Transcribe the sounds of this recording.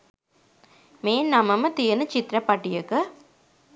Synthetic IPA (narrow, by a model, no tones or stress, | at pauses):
meːnnɐmɐmɐt̪ijɐnɯt͡ʃɪt̪ɾɐpɐʈːɪjɐkːɯ